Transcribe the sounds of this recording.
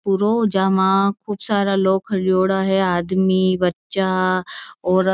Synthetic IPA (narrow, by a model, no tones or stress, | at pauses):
puɾod͡ʒaːmãkʰuːbsaːɾaloːɡkʰɐɾioːɽaɦɛaːd̪mibɐtːʃa | ɔːɾ